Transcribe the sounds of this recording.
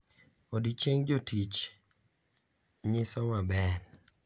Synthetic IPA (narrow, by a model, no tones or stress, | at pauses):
odit͡ʃeŋd͡ʒotit͡ʃ | ɲɪsɔmabɛn